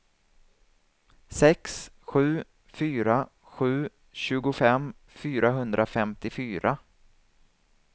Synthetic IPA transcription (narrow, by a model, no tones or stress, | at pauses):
sɛks | ɧʉ̟ː | fyːɾa | ɧʉ̟ː | ɕʉ̟ːɡʊfɛm | fyːɾʔaɦɵnd̪ɾʔafɛmt̪ɪfyːɾʔa